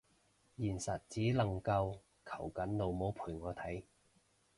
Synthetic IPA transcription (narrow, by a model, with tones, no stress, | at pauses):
jiː˨˩nsɐ˨t̚t͡siː˨˥lɐ˨˩ŋkɐ˧w | kʰɐ˨˩wkɐ˨˥nlo˨˧wmo˨˥wpʰuː˨˩jŋɔː˨˧t̪ʰɐ˨˥j